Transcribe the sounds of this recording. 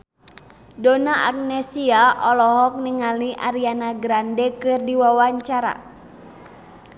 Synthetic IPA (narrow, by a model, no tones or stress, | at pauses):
dɔnaʔa̰k̚nɛsiaʔɔlɔɦɔk̚niŋaliʔa̰ɾianaɡɾandɛkɨrdiwawaɲt͡ʃaɾa̰